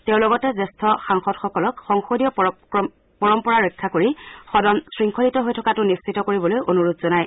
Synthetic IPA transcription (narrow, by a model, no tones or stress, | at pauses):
teʊ̃lɔɡɔtɛzestʰɔxaŋxɔdxɔkɔlɔkxɔŋxodijɔp | pɔɹɔmpɔɹaɹɔkʰːakoɹixɔdɔnsɹiŋkʰolitɔɦojtʰɔkatʊnissitɔkoɹibɔlojʔonuɹutzɔnaj